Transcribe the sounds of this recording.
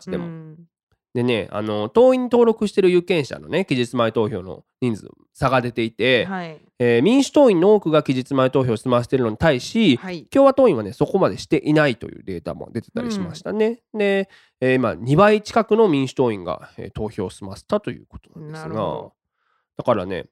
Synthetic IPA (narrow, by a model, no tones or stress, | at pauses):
ɕi̥t̪e̞̰mo | d̪e̞ne̞̰a̰no̞t̪o̞ːĩɲ̟ːit̪o̞ːɾo̞kɯɕi̥t̪e̞ɾɯ̟jɯ̟kẽ̞ɰ̃ɕa̰no̞ne̞kʲiʑit͡sɨmaet̪o̞ːço̞̰ːno̞̰ɲ̟ĩnd͡zɨ̰ | saɡad̪e̞t̪e̞it̪e̞ | eːmʲĩɰ̃ɕɨ̥t̪o̞ːĩnːo̞oːkɯ̟ɡakʲiʑit͡sɨmait̪o̞ːço̞ːsɨmaɕi̥t̪e̞ɾɯno̞ɲ̟i̥t̪aiɕikʲo̞ːβat̪oːĩɰβane̞so̞ko̞mad̪e̞ɕi̥t̪e̞ʔinait̪o̞̰jɯ̟̰ːd̪e̞ːt̪a̰mo̰d̪e̞t̪e̞̥t̪a̰ɾʲiɕimaɕi̥t̪ane̞d̪e̞ː | imaɲ̟ibait͡ɕi̥kakɯno̞mʲĩɰ̃ɕi̥t̪o̞ːĩŋɡa̰ḛːt̪o̞ːço̞̰ːsɨmaɕi̥t̪at̪o̞jɯ̟̰ːkot̪o̞nãnd̪esɨɡa̰ | d̪̥akaɾa̰ne̞̰